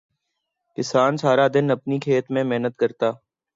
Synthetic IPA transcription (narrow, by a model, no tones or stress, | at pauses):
kɪsaːnsʰaːɾaːd̪ɪnəpniːkʰeːt̪mẽːmeɦnət̪kəɾt̪aː